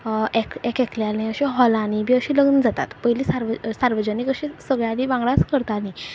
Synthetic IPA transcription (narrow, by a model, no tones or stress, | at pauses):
ɛkɛkɛkljalẽəɕiɦɔlanibiːəɕĩləɡnd͡zat̪a̰t̪pəjliːsaɾʋəsaɾʋəd͡ʑəniːkəɕĩsəɡɭjãɽiːʋãŋɡɭat͡skəɾt̪ani